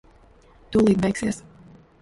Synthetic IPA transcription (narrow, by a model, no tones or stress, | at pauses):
t̪ulˠiːd̪vɛjksis